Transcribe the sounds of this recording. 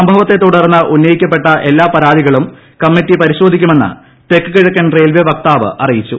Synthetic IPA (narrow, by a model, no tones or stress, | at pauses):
ɐmbʱɐʋɐt̪ːe̞t̪uɽɐrnːɐʔunːɐjikʲːɐp̬ːe̞ʈːɐʔe̞lːaːpɐɾaːd̪iɣɐɭum | kɐmːitːipɐɾiɕo̞ːd̪ʱikʲːume̞nːɨ̰ | t̪ekːɨkiɻɐkːɐnrejlʋjɐʋɐk̚t̪aːʋɨ̰ʔɐrijit͡ɕːu